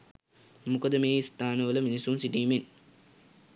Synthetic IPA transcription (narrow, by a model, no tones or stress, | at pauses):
mukəd̪əmeːist̪aːnəʋələminisunsiɖiːmen